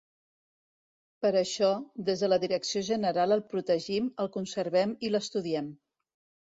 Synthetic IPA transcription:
pəɾəʃɔd̪ezðələðiɾəksioʒənəɾalˠəlˠpɾut̪əʒiməlˠkunsəɾβɛmiləst̪uðiɛm

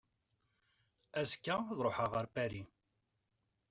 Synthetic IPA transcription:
æzkːæðˤɾˤoħəʁəɾpæɾi

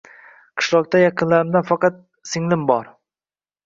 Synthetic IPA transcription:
qʰɨ̥ʃlˠɒq̚t̪ajɑqʰɨnlaɾɪmd̪anfɑqɑt̪̚ | sɪŋlɪmbɒɾ

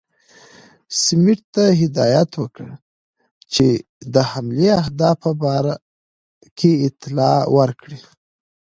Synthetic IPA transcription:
sɪmɪʈ̚t̪aɦɪd̪ɑjat̪wəkəɽ | t͡ʃe | d̪əhamleahd̪ɑfəbɑɾa | kʰeɪt̪ɪlɑwəɾkɽi

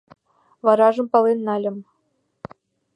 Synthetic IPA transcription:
vɑɾɑʐɤ̆mpɑlˠenːɑlʲɤ̆m

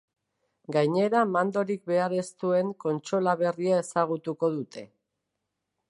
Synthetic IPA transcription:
ɡajɲe̞ɾamand̪o̞ɾik̚be̞aɾe̞st̪ue̞ŋko̞nt͡ʃo̞laβe̞riae̞saɣ̞ut̪uko̞ðut̪e̞

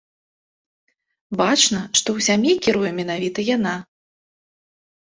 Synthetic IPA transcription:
bat͡ʂnɐʂt̪ɔwsʲamjikʲiɾujɛmʲɛnavʲit̪ɐjana

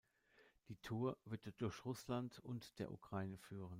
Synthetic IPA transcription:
d̥iːtʰuːɐvɪɐtd̥ʊɐçʁʊslantʊntd̥eːɐʔṵkʁ̥aɪnəfyːʁən

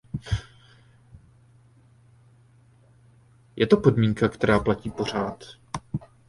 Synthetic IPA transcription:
jɛt̪o̞po̞dmiːŋkakt̪ɛɾaːplaciːpo̞r̝aːt̪

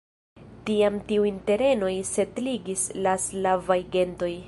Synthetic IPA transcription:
tiamtiuinte̞ɾe̞no̞jse̞tliɡislaslavajɡe̞nto̞j

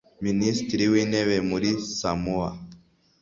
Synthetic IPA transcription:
minist̪ɾiwinɛβemuɾisamua̰

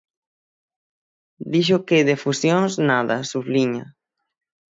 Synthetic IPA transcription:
d̪iʃ̬okeðefusjoŋsnaðasuβliɲa̰

